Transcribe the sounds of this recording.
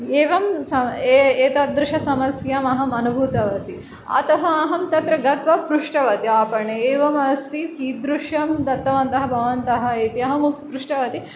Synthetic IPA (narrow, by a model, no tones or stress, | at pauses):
eːʋɐmsɐeeːt̪ɐd̪ɾuʃɐsɐmɐsjaːmɐɦɐmɐnubʱuːt̪ɐʋɐt̪i | ɐ̰t̪ɐɦɐɐɦɐmt̪ɐt̪ɾɐɡɐt̪ʋɐpɾuʂʈɐʋɐt̪iaːpɐɳeeːʋɐmɐst̪it̪kiːd̪ɾuʂɐmd̪ɐt̪ːɐʋɐnt̪ɐɦɐ̆bʱɐʋɐnt̪ɐɦɐ̆eːt̪iɐɦɐmukpɾuʂʈɐʋɐt̪i